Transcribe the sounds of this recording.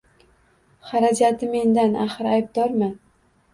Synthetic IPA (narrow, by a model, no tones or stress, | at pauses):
χaɾad͡ʒat̪ʰɪme̞nd̪anaχɨɾajb̚d̪ɒɾma